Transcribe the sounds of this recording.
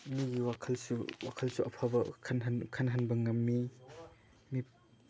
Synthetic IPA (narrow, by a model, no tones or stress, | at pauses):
miɡiwakʰɐlsuwakʰɐlsuʔɐpʰabɐkʰɐnɦankʰanɦɐnbɐŋɐmːi | mi